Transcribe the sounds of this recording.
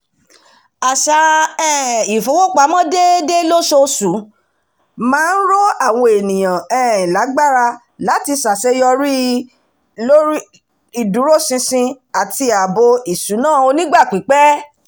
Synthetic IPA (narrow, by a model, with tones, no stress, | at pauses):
a˨ʃa˨˧ɛː˦˨i˨fo˨˦wo˦˨k͡pa˨˦mɔ̃˦de˦de˦lo˦ʃo˧su˨˦ | mãː˦n̩˦ɾo˦a˦˨w̃ɔ̃˧e˨nĩ˨j̃ã˨ɛ̃ː˨ĩ˨la˨˦ɡ͡ba˦˨ɾa˧ | la˨˦ti˧sa˨sɛ˧˦jɔ˧ɾi˦ | lo˦ɾi˦ | i˨du˨˦ɾo˦˨sĩ˧sĩ˧ | a˨ti˧a˨bo˧i˨su˨˦nãː˦˨o˧nĩ˦ɡ͡ba˦˨k͡pi˨˦k͡pɛ˦